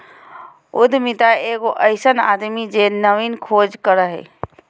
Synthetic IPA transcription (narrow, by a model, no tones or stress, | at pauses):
ʊd̪ʱmit̪aeːɡoʔəɪsəna̰ːd̪mid͡ʒenəʋinkʰoːd͡ʒkəɾəɦɛ̰ː